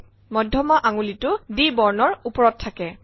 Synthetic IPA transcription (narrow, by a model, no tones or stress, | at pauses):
mɔdʱɔmaʔaŋulitʊdibɔɹnɔɹupɔɹɔtʰːakɛ